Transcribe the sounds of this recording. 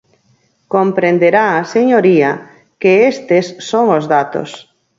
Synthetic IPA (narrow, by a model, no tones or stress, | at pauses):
kompɾend̪eɾaːseɲoɾia | keest̪esːoŋozðat̪o̰s